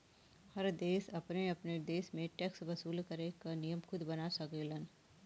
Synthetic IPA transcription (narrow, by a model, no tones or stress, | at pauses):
hɐɾd̪eːsɐpneɐpned̪eːsmẽʈɛːksbɐsuːlkɐɾekanijəmxʰʊd̪bɐnasɐkelən